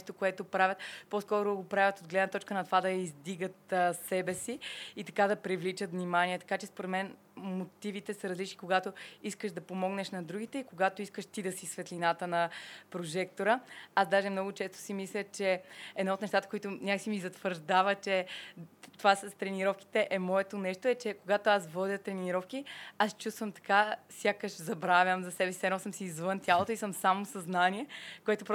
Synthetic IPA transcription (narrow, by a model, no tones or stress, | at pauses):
ʃt̪okoɛt̪opɾavʲət̪poskɔɾʊɡopɾavʲət̪od̪ɡlɛd̪nət̪ɔt͡ʃkənɐt̪ovad̪ɐizd̪iɡət̪sɛbɛsiit̪ɐkad̪ɐpɾivlit͡ʃət̪vnimaniɛt̪ɐ̥kat͡ʃɛspoɾɛt̪mɛn | mot̪ivit̪ɛsəɾɐzlit͡ʃnikoɡat̪oiskəʃd̪ɐpomɔɡnɛʃnɐd̪ɾuɡ̟it̪ɛikoɡat̪oiskəʃt̪id̪ɐsisvɛt̪lʲinat̪ənɐpɾoʒɛkt̪oɾəazd̪aʒɛmnɔɡʊt͡ʃɛst̪o̥simislʲət͡ʃɛɛd̪naot̪ɛʃt̪at̪əkoit̪onʲakəksimizɐt̪vəɾʒd̪avət͡ʃɛ | t̪ovasɐst̪ɾɛniɾɔfki̥t̪ɛʔɛmɔɛt̪onɛʃt̪oɛt͡ʃɛkoɡat̪oasvɔd̪ʲət̪ɾɛniɾɔfk̟iast͡ʃust̪vəmt̪ɐ̥kasʲjakəʃzɐbɾavʲəmzɐsɛbɛsi̥sɛnɔsəmsiːzvɤnt̪ʲjalˠot̪oisəmsamosɐznaniɛkoɛt̪opɾ